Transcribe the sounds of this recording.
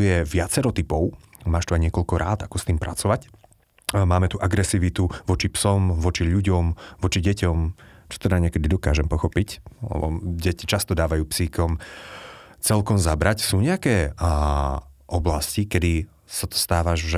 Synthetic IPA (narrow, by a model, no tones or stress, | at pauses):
ujɛʋɪat͡sɛɾɔt̪ipɔʊ | maːʃt̪uajɲɪɛkɔʎkɔɾaːt̪akɔst̪iːmpɾʔa̰t͡sɔʋac | maːmɛt̪uʔaɡɾɛsiːʋit̪uʋɔt͡ʃipsɔmʋɔt͡ʃiʎuɟɔmʋɔt͡ʃiɟɛcɔmt͡ʃɔ̥t̪ɛd̪aɲɪɛkɛd̪id̪ɔkaːʒɛmpɔxɔpiclɛ̰bɔ̰ɟɛcit͡ʃast̪ɔd̪aːʋajuːpsiːkɔm | t͡sɛlkɔmzabɾacsuːɲɛakɛː | ʔɔblascikɛd̪i | sat̪ɔ̥st̪aːʋaʒʒ